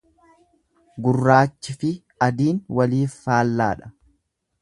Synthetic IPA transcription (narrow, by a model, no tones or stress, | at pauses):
ɡʊrːaːt͡ʃːɪfɪ | ɐd̪iːnwɐliːfːaːlːa̰ːᶑɐ̥